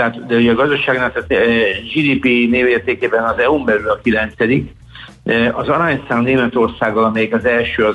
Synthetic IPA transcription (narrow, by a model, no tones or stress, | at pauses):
t̪ɛɦaːt̪d̪ɛuɟɛɒːɡɒzd̪ɒʃaːɡnat̪at̪ʒiːd̪iːpineːveːrt̪eːkeːbɛnɒzɛumbɛlylɒkilɛnt̪sɛd̪ik | ɒzɒɾaːɲsaːnneːmɛt̪o̞rsaːɡɒlɒmɛjɛkɒzɛlʃøːɒ